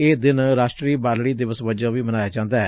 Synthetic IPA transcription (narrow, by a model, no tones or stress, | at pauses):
eːd̪ɪnɾaːʃʈɾiːbaːlɽiːd̪ɪʋəsʋəd͡ʒãːʋiːmənaːjaːd͡ʒãːnd̪aːɛː